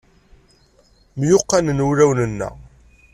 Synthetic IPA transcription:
mjʊqːanənuɾæwnənːæ̰

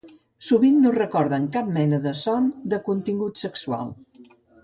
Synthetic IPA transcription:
suβinːurəkɔɾðəŋkap̚mɛnəðəsɔnd̪əkunt̪iŋɡut̪səksua̰lˠ

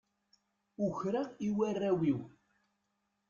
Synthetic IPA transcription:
ʊçɾaiwærːæwiw

